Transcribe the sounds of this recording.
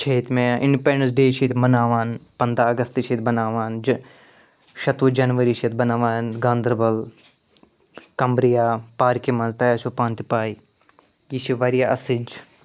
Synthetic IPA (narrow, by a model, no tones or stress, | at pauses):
t͡ʃʰeːt̪mẽʔɪ̃ɳɖipẽːɳɖə̃ns̬ɖeːt͡ʃʰeːt̪ʰmɐnaːʋaːnpɐnd̪ɾaːɐɡɐst̪it͡ʃʰeːt̪bɐnaːʋaːnd͡ʒ | ʃɐt̪ʋud͡ʒɐnʋəɾiːt͡ʃʰet̪̚bɐnaːʋaːnɡãːnd̪ɾbɐl | kɐmbɾijaːpaːɾkimɐnzt̪ɐːjaːt͡ʃʰopãːnt̪ipaːi | kit͡ʃʰiʋɐɾijaːʔɐsid͡ʒ